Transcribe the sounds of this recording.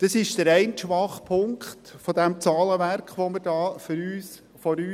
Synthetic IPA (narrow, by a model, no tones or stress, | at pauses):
d̥əsɪʃd̥əɾɛɪnt̪ʃʋɑχpʰʊŋkχt̪fɔdɛmt͡sɑːləʋæɾkχʋɔməɾdɑːfʏɾyːs | fɔɾyː